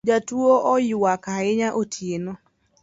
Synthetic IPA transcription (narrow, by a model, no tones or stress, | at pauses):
d͡ʒatwoʔɔjʊwakaɪɲaʔotʰjeno